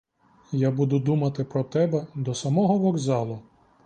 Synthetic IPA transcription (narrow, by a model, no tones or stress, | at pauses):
jabud̪ʊd̪umɐt̪ɪpɾɔt̪ɛbɛd̪ɔsɐmɔɦɔʋɔɡzɑlˠʊ